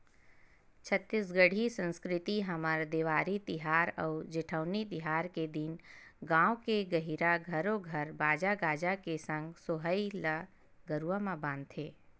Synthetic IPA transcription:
t͡ʃʰət̪ːɪsɡəɽ̤ʱisə̃nskɾɪt̪iɦəməɾd̪eːʋaːɾit̪ɪɦaːɾə̰ʊd͡ʒɪʈʰəːnit̪ɪɦaːɾked̪inɡãːwkeɡəɦiɾaɡʱəɾoɡʱəɾbaːd͡ʒaɡaːd͡ʒakesə̃ŋɡsoɦəilə | ɡəɾuwəmãbãːnt̪ʰeː

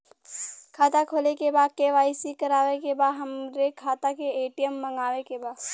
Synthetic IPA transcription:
kʰaːt̪akʰoːlekebaːd̪̚keʋaːɪsikɐɾaːʋekebaːd̪ɦɐmɾekʰaːt̪akeeːʈijəmːɐ̃ŋɡaːʋekebaːd̪

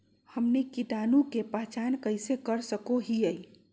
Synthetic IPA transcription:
həmnikiʈanũkepəɦt͡ʃankəjsekəɾsəkoɦiəj

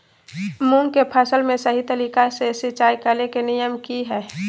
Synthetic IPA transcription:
mũŋɡkepʰəsəlmẽsɐɦit̪əɾiːkasesɪt͡ʃaːjkəlekenɪjəmkiɦɛː

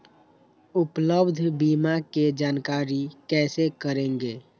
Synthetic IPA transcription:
upləbd̪ʱbimaked͡ʒaːnkaːɾikɛːsekəɾẽːŋɡeː

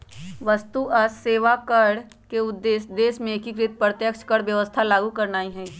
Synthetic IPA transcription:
ʋəst̪uɐsːeːʋakəɽ | keʊd̪ːeːsd̪eːsmẽkikɾɪt̪̚pɾət̪jəkʃkəɽʋjəʋəst̪ʰalaːɡukɐɾnaːiɦɛi

